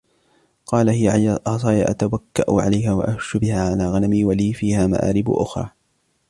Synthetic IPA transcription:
qɑːlahɪjaɑsˤɑːjaʔa̰t̪awakːaʔʊʕa̰lajɦaːwa̰ʔahʃʊbɪhaːʕalaːɣanamiːwaliːfiːhaːma̰ʔa̰ːɾɪb̰ʔʊ̰xɾˤɑ̰ː

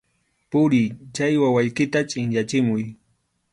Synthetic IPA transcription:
pʊɾɪt͡ʃajwawajkɪt̪at͡ʃʼɪŋjat͡ʃɪmʊj

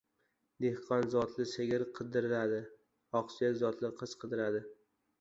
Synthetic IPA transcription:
d̪ehqʰɒnzɒt̪lɪseɡʲɪɾqʰɨd̪ɪɾɪlad̪ɪ | ɒqsijazɒt̪lɪqʰɨz̥qʰɨd̪ɪɾad̪ɪ

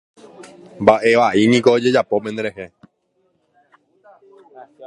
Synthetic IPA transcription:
mbaʔe̞ʋaʔinĩkoːd͡ʒe̞d͡ʒapopend̪eɾeɦe

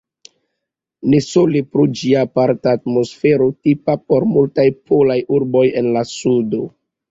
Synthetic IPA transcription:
nesolipɾud͡ʒiaːpaɾtaːt̚mo̞sfeɾotipap̚o̞ɾmultajpʰolajʔuɾbo̞jenlasudo

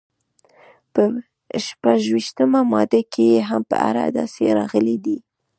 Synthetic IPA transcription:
pə | ʃpaʒwiʃt̪əmamɑd̪akʰejeɦampəa̰ɾa̰d̪ɑ̰seɾɑɣəlid̪i

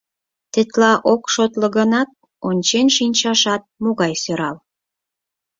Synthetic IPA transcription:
t̪ɘ̆t̪lɑʔokʃot̪ləɣənɑt̪̚ | onʲt͡ɕenʃinʲt͡ɕɑʃɑt̪̚moɣɑjsøɾɑl

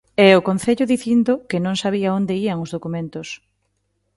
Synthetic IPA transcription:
ɛʊkonθeʎʊðiθind̪okɪnõŋsaβ̞iaond̪eiaŋozðokumẽnt̪ʊs

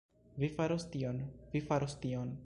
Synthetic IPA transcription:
vifaɾost̪ionvifaɾostion

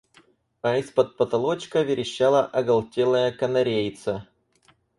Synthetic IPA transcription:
ɐɪspɐt̪̚pɐt̪ɐlˠot͡ɕkəvʲɪɾʲɪɕːalˠɐʔɐɡɐlˠtʲelˠəjəkɐnɐɾʲejt̪sə

